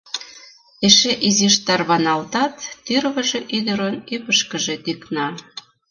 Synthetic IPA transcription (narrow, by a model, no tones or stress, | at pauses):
eʃeʔiziʃt̪ɑrβɑnɑlt̪ɑt̪ːyrβəʒeʔyd̪ə̆ɾonypəʃkəʒe̽t̪yknɑ